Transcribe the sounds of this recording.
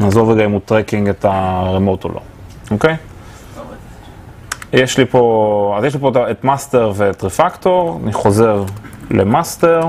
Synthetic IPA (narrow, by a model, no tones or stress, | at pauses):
azoveɡaimutʁekiŋɡetaʁemoto̰lʔo̰ | oke̞j | jeʃlipo̞azjeʃlipotaetmaste̞ʁvetʁifakto̞ʁa̰niχo̞ze̞ʁlḛmaste̞ʁ